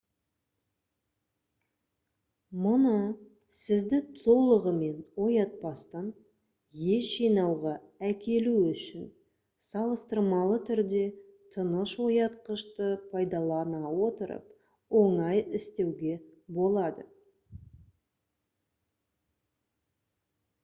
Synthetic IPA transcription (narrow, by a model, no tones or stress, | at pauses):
mʊnə | sɪzd̪ɪt̪ʰo̞lˠəʁəme̞nwo̞jɑt̪̚pɑst̪ɑn | je̞ʒijnɑwʁɑ | ækʲe̞luʏʃɪn | sɑlˠəst̪əɾmɑlˠət̪ʰʏɾd̪e̞ | t̪ʰənəʃwo̞jɑt̪̚qəʃt̪əpʰɑjd̪ɑlˠɑnɑwo̞t̪əɾə̰p | wo̞ɴɑjɪst̪e̞wɡʲe̞bo̞lˠɑd̪ə